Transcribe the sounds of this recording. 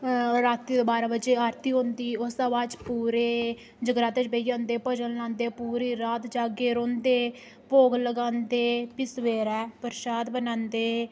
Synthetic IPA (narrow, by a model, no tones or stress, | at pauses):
ɾaːt̪iːd̪oːbaːɾabəd͡ʒeːaːɾt̪iːɦõːnd̪iːʊsaʋaːt͡ʃpuːɾeː | d͡ʒəɡɾaːt̪ed͡ʒbejãːnd̪eːpəd͡ʒəlnãːnd̪eːpuːɾiːɾaːt̪d͡ʒaːɡeːɾõːnd̪eː | poːɡləɡãːnd̪eːpɪsʋeːɾɛːpəɾɪʃaːd̪bənãːnd̪eː